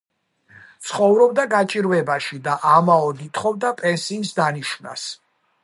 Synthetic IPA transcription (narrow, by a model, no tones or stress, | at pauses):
t̪sʰχɔvɾɔbd̪aɡat͡ʃʼiɾvɛbaʃid̪aʔamaɔd̪it̪ʰχɔvd̪apʼɛnsiːnsd̪aniʃna̰s